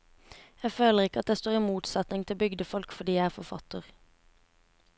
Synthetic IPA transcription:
jæføːləʁɪkəɑt̪̚d̪eːst̪oːʁiːmuːt̪sɑt̪nɪŋt̪ʰɪbʏɡd̪əfɔlkfɔd̪iːæɪæːfɔfɑ̰t̪əʁ

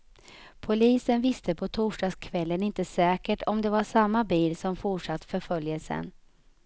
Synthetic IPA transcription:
pʰʊliːsənvɪst̪əpʰɔt̪ʰuːʂɖɑːskʰvɛlːənɪnt̪əsɛːkəʈɔmd̪ɛvaʂamːabiːlsɔmfʊʈʂat̪ːfœɾfœljəlsə̰n

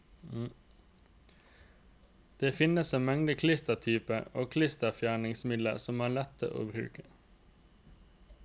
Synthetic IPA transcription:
d̪̥eːfɪnəseːnmɛŋd̪əkʰlɪst̪ət̪ʰyːpəoːkʰlɪst̪əfjæːɳɪŋsmɪd̪lə̰sɔmæːɭɛt̪ːə̰ʔo̰ːbɾʉ̰ːkə̥

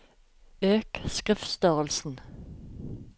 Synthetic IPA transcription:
øːkskʁɪfst̪œʁəlsn̩

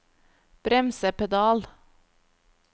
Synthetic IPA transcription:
b̥ɾɛmsəpʰɛd̪ɑːl

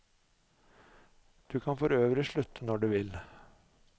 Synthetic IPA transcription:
d̪̥ʉːkʰɑnfɔɾøːʋəɾɪʃɭʉt̪ʰənɔɖʉːʋɪl

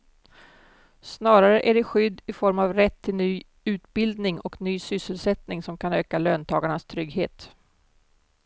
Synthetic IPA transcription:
snɑːɾaɾəʔæɖɛɧʏd̪ːɪfɔɾmavɾɛt̪ʰːɪlnyː | ʉ̟ːt̪bɪld̪nɪŋɔknyːsʏsːəlsɛt̪nɪŋsɔmkʰanøːkaløːnt̪ʰɑːɡaɳast̪ʰɾʏɡɦeːt̪

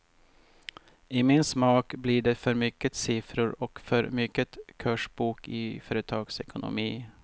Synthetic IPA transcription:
ɪːmɪnsmɑːkbliːɖefœɾmʏkːət̪sɪfɾʊɾɔkfœɾmʏkːət̪kʰœʂbuːkɪ̰ːfœːɾət̪ʰɑːɡsɛkʊnʊ̰miː

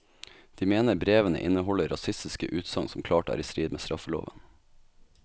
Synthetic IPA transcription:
d̪̥iːmeːnəɾbɾeːʋənə̰ʔɪnəɦɔləɾɑsɪst̪ɪskəʔʉːt̪sɑŋsɔmkʰlɑːʈæ̰ːɾiːst̪ɾiːd̪meːst̪ɾʔɑfəlo̰ːʋən

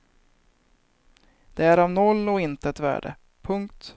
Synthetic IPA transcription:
d̪̥ɛæɾavnɔlːɔɪnt̪əɛt̪væ̰ːɖə̰ | pʰɵŋk̚t̪

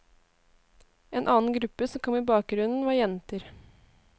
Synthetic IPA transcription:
eːnʔɑ̰ːn̩ɡɾʉpːəsɔmkʰɔmːiːbɑːk̚ɡɾʉnn̩ʋɑːɾjɛnt̪əɾ

